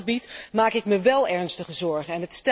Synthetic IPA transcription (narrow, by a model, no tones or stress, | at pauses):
əbitmaːkɪkməʋɛlˠɛɹnstəχəzɔɹχənɛnɦətst